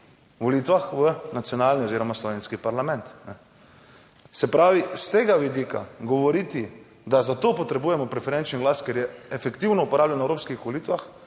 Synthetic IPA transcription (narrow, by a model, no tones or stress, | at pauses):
ʋɔlit̪ʋaxʋənat̪sjɔnaːlnioziːɾɔmaslɔʋeːnskipaɾlamɛ̃nt̪nɛ | sɛpɾaːʋist̪eːɡaʋid̪ika̰ɡɔʋɔɾiːt̪i | d̪azat̪oːpɔt̪ɾɛbuːjɛmɔpɾɛfɛɾɛnt͡ʃniɡlaskɛɾjɛːfɛkt̪iwnɔupɔɾaːblʲjanɛwɾoːpskixʋolit̪ʋax